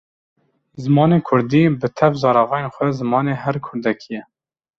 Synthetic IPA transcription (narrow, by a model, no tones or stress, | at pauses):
zɨmɑːneːkʰʊɾd̪iːbɨt̪ʰɛvzɑːɾɑvɑːjenxʷɛzɨmɑːneːɦɛɾkʰʊɾd̪ɛkʰijɛ